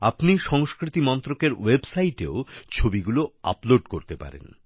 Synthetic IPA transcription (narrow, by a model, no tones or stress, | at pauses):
apniʃɔŋskɾit̪imɔnt̪ɾokeɾwebsajʈḛot͡ɕʰobiɡuloa̰ploɖkoɾt̪epa̰ɾḛn